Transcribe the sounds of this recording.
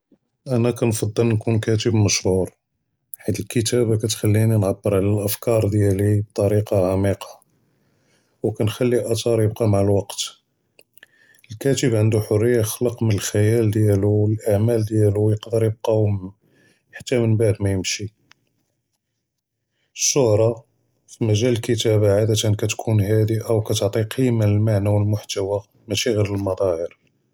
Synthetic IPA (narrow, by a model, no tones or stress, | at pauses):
ʔænækænfɑd̪ˤːəlnkunkæt̪əbməʃhuɾ | ħad̪əlkət̪æbakæt̪xælːininʕabːəɾʕlælʔəfkɑɾˤd̪jælib̚t̪ˤɑɾiqɑʕamiqʰɑ̥ | wkænxælːiʔɑt̪ˤɑɾjəb̚qɑmaʕəlwɑqt̪ | əlkæt̪əbʕənd̪uħʊrːəjːaxləqmənəlxæjæld̪jæluəlʔaʕmæld̪jælujəqd̪əɾjəb̚qɑ | ħḁt̪ːæmənbaʕd̪mæjəmʃi | əʃːʊhɾˤɑ | fimæʒæləlkət̪æbaʕad̪æt̪ənkæt̪kʰunhæd̪iʔæwkæt̪ʕt̪ˤiqʰijmənəlmaʕnæwəlmʊħt̪æwa | mæʃiɣiɾəlmɑd̪ˤɑhəɾ